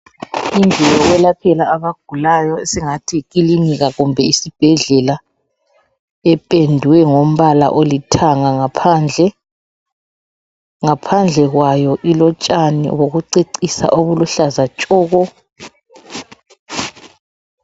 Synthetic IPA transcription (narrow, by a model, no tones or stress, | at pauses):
ind͡ɮʱɛjɔɣwɛlapʰɛlaːβaɡ̥ʱulajɔesiŋatʰikiliniɣaɣumbʱɛisib̥ʱɛɮɛla | ɛpʼendʱuwɛŋom̩βala̰ʔolitʰaŋaŋapʰand͡ɮʱɛ | ŋapʰand͡ɮʱɛɣwajɔʔilɔt͡ʃʼanḭwoɣuǀeǀisa̰ʔoβuluɬazat͡ʃʼɔːɣɔ